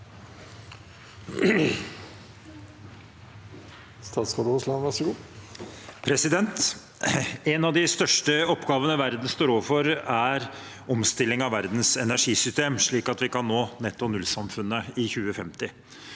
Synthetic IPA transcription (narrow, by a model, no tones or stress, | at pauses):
st̪ɑːt̪skɔd̪uslɑnʋæsɡuː | pʰɾɛsɪd̪ɛnt̪ | ɛnɑʋd̪ɪst̪œʂʈəɔpːɡɑːʋənəʋæɾd̪n̩st̪oːɾoːʋəfɔɾæɾ | ɔmst̪ɪlːɪŋɑʋʋæɾd̪n̩sɛnæʂiːsʏst̪eːmʂɭiːkɑt̪ʋɪkɑnːoːnɛt̪ːɔnʉlsɑmfʉnːəɪçʉːəfɛmt̪ɪ